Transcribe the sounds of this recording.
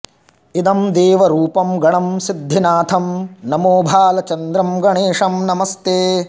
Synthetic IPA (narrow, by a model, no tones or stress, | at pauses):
id̪ɐmd̪eːʋɐɾuːpɐmɡɐɳɐmsid̪ʱːinaːt̪ʰɐmnɐmoːbʱaːlɐt͡ʃɐnd̪ɾɐmɡɐɳeːʂɐmnɐmɐst̪eː